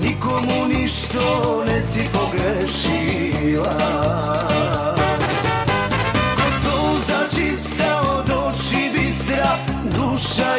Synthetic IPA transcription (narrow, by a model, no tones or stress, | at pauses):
nikomuniʃt̪onɛsipoɡɾɛʃi | ʋa | kot̪ouzat͡ʃist̪aod̪oʃibisɾa | d̪uʃa